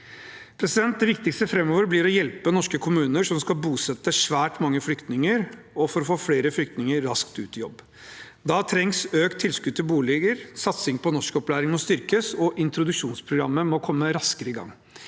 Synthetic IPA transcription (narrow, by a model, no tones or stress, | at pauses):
pʰɾɛsɪd̪ɛnt̪̚d̪ɛʋɪkt̪ɪkst̪əfɾɛmːoːʋəɾblɪɾɔjɛlpənɔʂkəkʰʊmʉːnəʂɔmskɑbuːsɛt̪ːəʂʋæːʈmɑŋːəflʏkt̪nɪŋəɾ | ɔfɔɾɔfoːfleːɾəflʏkt̪nɪŋəɾːɑskt̪ʉːt̪ɪjɔ̰bː | d̪ɑt̪ʰɾɛŋsøːkt̪ʰːɪlskʉd̪̚t̪ʰɪlbuːlɛɡəɾsɑt̪sɪŋpʰɔnɔʂkəɔplæːɾɪŋmɔst̪ʏɾkəsɔʔɪnt̪ɾʊd̪ʉʂuːnspʰɾʊɡɾɑ̰mːəmɔkʰɔmːəɾɑskəɾəɪɡɑ̰ŋː